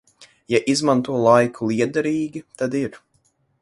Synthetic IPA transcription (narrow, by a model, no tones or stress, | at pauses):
jaʔizmant̪uɔlˠajkʰulˠiɛd̪aɾiːɡʲit̪ad̪iɾ